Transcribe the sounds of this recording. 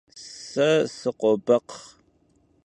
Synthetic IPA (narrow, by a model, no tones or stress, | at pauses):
sɐsɨqʷɔbɐq